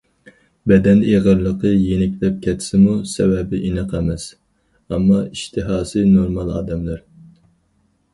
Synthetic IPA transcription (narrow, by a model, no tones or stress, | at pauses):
bɛd̪ɛneʁəɾlˠəqəjenɪkʲlɛp̚kʲʰɛt̪ʰsɪmusɛwɛbɪʔinəqʰɛmɛs | ɑmːɑiʃt̪ʰɨɦɑːsɨnoɾmɑlˠɑ̰ːd̪ɛmlæɾ